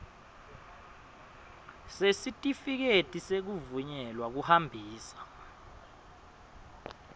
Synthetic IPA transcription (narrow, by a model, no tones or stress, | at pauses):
sesitʼifik̬etʼisek̬uvuɲɛlwak̬uhambʱiːsḁ